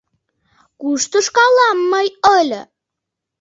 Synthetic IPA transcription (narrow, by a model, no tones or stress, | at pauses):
kuʃt̪əʃkɑlɑmːəjəlʲ